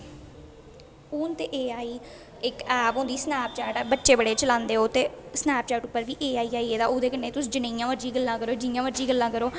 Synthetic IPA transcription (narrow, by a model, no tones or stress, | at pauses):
uːnt̪eːʔeːaːiː | ɪkɛːpõːd̪iːsnɛːp̚t͡ʃaːʈːbətːʃeːbəɽeːt͡ʃəlãːnd̪eːoːt̪eːsnɛːp̚t͡ʃaːʈʊpːəɾʋiːʔeːaːiːaːiːeːd̪aːoːd̪eːkəɳːeːt̪ʊsiːd͡ʒənẽijãːʋəɾd͡ʒiːɡəlːãːkəɾoːd͡ʒnjãːʋəɾd͡ʒiːɡəlːãːkəɾoː